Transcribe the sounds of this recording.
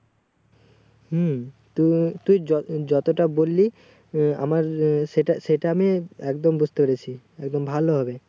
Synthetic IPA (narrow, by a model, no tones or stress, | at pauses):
h̩ | t̪ut̪ujɔd͡ʑɔt̪oʈabolːi | a̰maɾʃeʈaʃeʈaamiɛkd̪ombud͡ʑʱt̪epeɾet͡ɕʰi | ɛkd̪ombʱaloɦɔbe